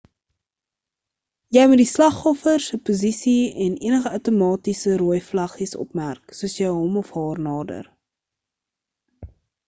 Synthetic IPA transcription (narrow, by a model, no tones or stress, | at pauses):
jɛjmut̚dislɐχɔfərsəpozisiɛnḭənəχəœwtomɑːtisəɾuːjflɐχisɔ̰pmærksuəsjəjɦɔmɔfɦɑːrnɑːdə̰r